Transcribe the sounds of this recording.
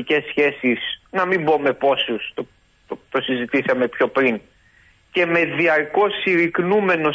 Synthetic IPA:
ice̞sçe̞sisnɐmimbo̞me̞po̞sust̪o | t̪o̞sizit̪isɐme̞pço̞pɾin | ce̞me̞ðiɐɾko̞siɾiknume̞no̞

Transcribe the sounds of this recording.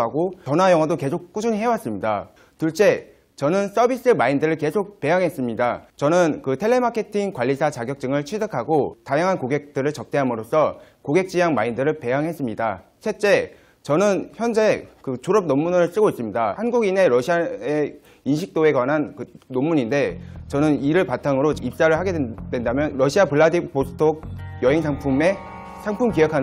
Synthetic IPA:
aɡot͡ɕʌnɦajʌŋwadoke̞sʰok̚k͈ud͡ʑuɲɦewas͈ɯmɲida | tuɭt͡ɕ͈e̞ | t͡ɕʌnɯns͈ʌbis͈ɯmaindɯɾɯɭke̞sʰok̚pe̞ɦjaŋɦe̞s͈ɯmɲidat͡ɕʌnɯnkɯtʰe̞ɭːe̞makʰe̞tʰiŋkwaʎːisʰat͡ɕaɡjʌk̚t͡ɕ͈ɯŋɯɭt͡ɕʰɥidɯkʰaɡotajaŋɦankoɡe̞k̚t͈ɯɾɯɭt͡ɕʌp̚t͈eɦamɯɾos͈ʰʌ | koɡe̞k̚t͡ɕ͈ijaŋmaindɯɾɯɭpe̞ɦaŋɦe̞s͈ɯmɲida | sʰet͡ɕ͈e̞ | t͡ɕʌnɯnçjʌnd͡ʑe̞kɯt͡ɕoɾʌp̚nomːunɯɭs͈ɯɡois͈ɯmɲidahanɡuɡine̞ɾʌɕʰiae̞ | inɕʰik̚t͈oe̞kwanɦankɯnːomːuɲinde̞t͡ɕʌnɯniɾɯɭpatʰaŋɯɾoip̚s͈aɾɯɭhaɡe̞d̥we̞ndamjʌnɾʌɕʰiapɯɭːadimposʰɯ̥tʰoɡ̚jʌɦe̞ŋsʰaŋpʰume̞ | sʰaŋpʰumkijʌkʰan

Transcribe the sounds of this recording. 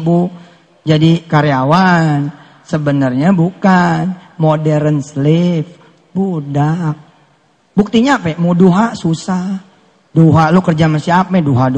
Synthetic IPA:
bu | d͡ʒadikaɾeawan | səbənərɲabukanmodɛɾənslɪf | budak̚ | buk̚t̪iɲaːpɛmuduɦasusah | duɦalukərd͡ʒaməsiap̚mɛduɦad

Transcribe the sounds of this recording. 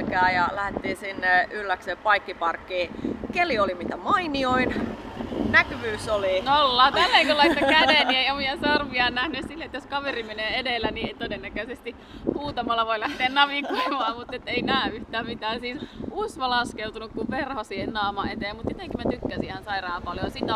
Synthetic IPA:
kæːjɑlæhet̪ːiːsinːeylːæksepɑikːipɑrkːiːkeliolimit̪æmɑinioin | nækyʋyːsolinoolːɑːt̪ælːeiŋkolɑit̪ːɑkædeˑnieiomiɑsɑrʋiɑnnæhnyssilːet̪joskɑʋerimeneːedelːænieit̪odenːækøsest̪i | huːt̪ɑmɑlːɑʋoilæht̪eːnnɑʋikoimɑːmut̪ːet̪ːeinæːyht̪æːmit̪æːsiːsusʋɑlɑskeut̪unukkuʋperhosiːhennɑːmɑet̪eːmut̪jet̪eŋkːimæt̪ykːæsihænsɑirɑːpɑljojsit̪æ

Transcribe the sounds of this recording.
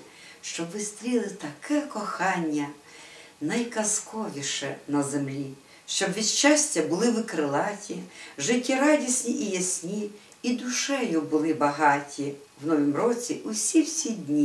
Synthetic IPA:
ʃt͡ʃɔbʋɪst̪ɾʲilˠɪt̪ɐkʰɛkɔxɑnʲːɐ | nɐjkɐskɔʋʲiʃɛ̰nɐzemlʲi | ʃt͡ʃɔbʋʲiʃt͡ʃasʲtʲːɐbʊlˠɪʋɪkɾɪlˠɑtʲiʒɪtʲːiɾɑdʲisʲnʲiʔijɐsʲnʲiː | d̪ʊʃɛjʊbʊlˠɪbɐɦɑtʲi | wnɔʋʲimɾɔt͡sʲiʔʊsʲiwsʲidʲnʲi

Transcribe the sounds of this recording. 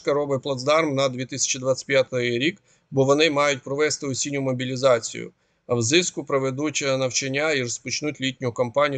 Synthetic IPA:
kɐɾɔbɪplˠɐzd̪ɑrmnɐd̪ʲʋʲit̪ɪsʲɐ̥t͡ʃid̪ʋat̪ʲt͡sʲɪ̥pʲjat̪ʊjɾʲik | bɔʋɔnɪmɑjʊt̚ʲpɾɔʋɛst̪ɪɔsʲinʲʊmɔbʲilʲizɑt͡sʲḭjʊ̰ | ɐwzɪskʊpɾeʋed̪ut͡ʃʲɐnɐwt͡ʃenʲːaiɾɔspɔt͡ʃnutʲlʲitʲnʲʊkɐmpɑnʲij

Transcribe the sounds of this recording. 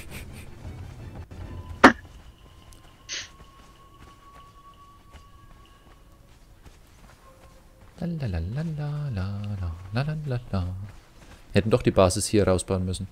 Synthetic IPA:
lalaaalalalaaa | hɛtn̩dɔχd̥iːbaːzɪshiːɐʁaʊsb̥aʊənmʏsn̩

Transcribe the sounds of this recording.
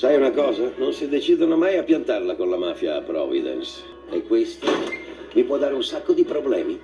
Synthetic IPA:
sajunakɔːzanonsid̪et͡ʃid̪onomajapːjant̪arlakonlamaːfjapɾɔ̰vḭd̪ɛ̰ns | ḛkːwest̪o | mipwɔd̪ːaːɾeunsakːod̪ipɾoblɛːmi

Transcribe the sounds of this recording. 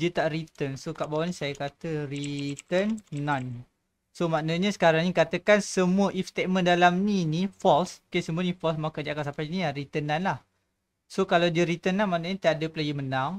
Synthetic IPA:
diət̪aʔrit̪ənsokaʔbawaʔnĩsajakat̪ərit̪ənːãn | somaʔnəɲəsə̥kaɾaŋɲikat̪əkansəmuəʔifst̪eʔ̪̚mə̃ndalamninifɔlskesəmuənifɔlsmakadiakaʔsapaniarit̪ənːanlah | sokalawdiəɾit̪ənːanmanəɲat̪iadəpəlajəmənaŋ

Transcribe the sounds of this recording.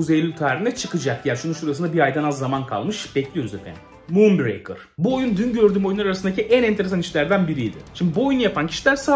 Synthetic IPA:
uzelʲyt̪ʰaːɾinɛt͡ʃʰɯkɯd͡ʒak̚jæɾʃununʃuɾasɯnd̪abiɾajd̪anazːamankʰa̰lˠmɯʃbɛclʲijoɾuzḛfæ̰nd̪i | mumbɾḛjkɯ̰ɾ̥buo̞jund̪ynɟø̞ɾd̪yːmo̞junˠaɾaɾasɯnd̪acʰiʔænɛnt̪eɾesaniʃlʲæɾd̪ænbiɾid̪ɪ̰ʃimdb̪ibuojunjapʰancʰi̥ʃilʲæɾsa

